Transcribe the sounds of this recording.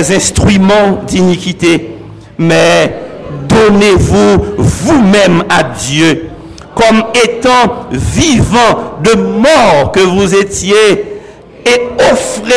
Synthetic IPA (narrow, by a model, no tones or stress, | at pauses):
zɛ̃st̪χymɑ̃d̪inikit̪e | mɛ | d̪onevuvumɛ̃mad̪jø | kɔmet̪ɑ̃vivɑ̃d̪əmɔʁkəvuzet̪jeː | ofʁe